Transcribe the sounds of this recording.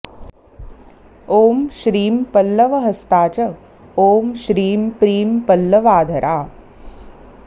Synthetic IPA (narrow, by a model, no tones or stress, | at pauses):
oːmʃɾiːmpɐlːɐʋɐɦɐst̪aːt͡ʃɐ | oːmʃɾiːmpɾiːmpɐlːɐʋaːd̪ʱɐɾʔaː